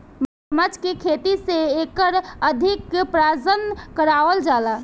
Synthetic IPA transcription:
məsməd͡ʒkekʰet̪iseekəɾəd̪ʱikpɾad͡ʒənkəɾaʋəld͡ʒala

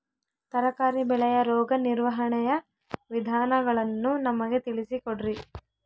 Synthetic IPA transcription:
t̪ɐɾɐkaːɾibɛɭɛjɐɾɔːɡɐniɾʋɐɦɐɳɛjɐ | ʋid̪ʱaːnɐɡɐɭɐnːunɐmɐɡe̞t̪iɭisikoɽiɾi

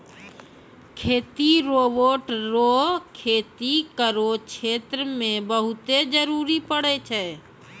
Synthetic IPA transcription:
kʰeːt̪iɾoːboːʈɾoːkʰeːt̪ikəɾot͡ʃʰeːt̪ɾəmẽbəɦʊt̪ed͡ʒəɾuːɾipəɽet͡ʃʰɛː

